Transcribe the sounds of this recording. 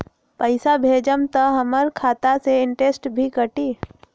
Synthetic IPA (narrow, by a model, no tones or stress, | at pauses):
pəɪsabʱeːd͡ʒəmt̪aɦəməɾkʰaːt̪aseɪɳʈeːsʈbʱikəʈiː